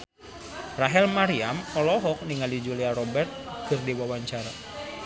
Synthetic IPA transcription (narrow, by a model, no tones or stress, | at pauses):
raɦɛlmaɾiamɔlɔɦɔk̚niŋalid͡ʒuliaɾɔbɛrt̪̚kɨrdiwawaɲt͡ʃaɾa